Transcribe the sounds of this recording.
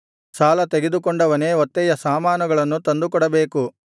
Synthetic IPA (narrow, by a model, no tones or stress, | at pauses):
saːlɐt̪eɡed̪ukɔɳɖɐʋɐneːɔt̪ːɛjɐsaːmaːnɐɡɐɭɐnːut̪ɐnd̪ukɔɽɐbeːku